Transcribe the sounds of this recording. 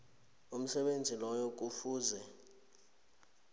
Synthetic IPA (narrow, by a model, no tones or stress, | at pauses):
um̩sɛɓend͡zʱilɔjok̬ufuːzɛ